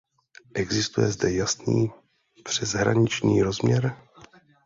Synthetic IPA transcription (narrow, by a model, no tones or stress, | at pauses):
ʔɛɡzɪst̪ujɛ̰zdɛjasnḭː | pr̝̥ɛzɦɾa̰ɲɪt͡ʃɲiːɾozmɲɛɾ